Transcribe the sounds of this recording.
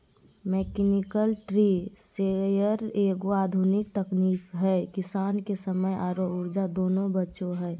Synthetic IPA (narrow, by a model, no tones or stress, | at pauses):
mɛːkenɪkəlʈɾiːsejəɾeːɡoaːd̪ʱʊnɪkt̪əkniːkɦɛːkɪsaːnkesəməjʔaːɾoʊɾd͡ʒad̪oːnõbətːʃõɦɛː